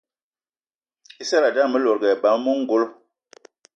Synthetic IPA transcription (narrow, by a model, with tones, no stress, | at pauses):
i˦sa˦la˨da˦˨mə˦lo˨ɾɡɛ˨ba˨˦m˦mo˦ŋ̩˦ɡo˦l